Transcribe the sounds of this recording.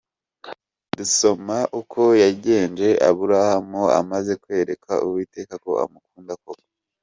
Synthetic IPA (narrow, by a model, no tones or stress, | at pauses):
duso̞maʔukʰo̞jaɟe̞ːnd͡ʒe̞ʔa̰βuɾahamoa̰maze̞kwe̞ːɾe̞kʰa̰ʔuwiːte̞ːkako̞̰a̰mukuːndakoɡa